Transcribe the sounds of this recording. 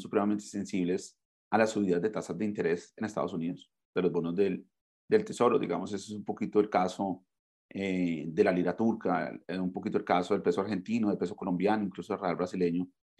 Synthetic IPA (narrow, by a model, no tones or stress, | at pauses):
su̥pɾe̞mame̞nt̪ese̞nsiβle̞s | alasuβiðazd̪e̞t̪asazd̪eint̪e̞ɾe̞senest̪a̰ðosuniðos | d̪̥e̞lo̞zbo̞nozd̪el | d̪e̞lt̪e̞so̞ɾoðḭɣamosesoesumpo̞kit̪o̞elkaso | ed̪e̞laliɾat̪uɾkaumpo̞kit̪oelkaso̞ðe̞lpe̞soaɾxe̞nt̪inoðelpe̞s̬o̞ko̞lõ̞mbjanoĩŋklusoelrealbɾasile̞ɲo